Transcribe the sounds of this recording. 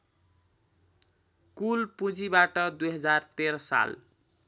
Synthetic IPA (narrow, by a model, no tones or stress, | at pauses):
kulpud͡zibaʈʌd̪ujɦʌd͡zart̪eɾʌsa̰l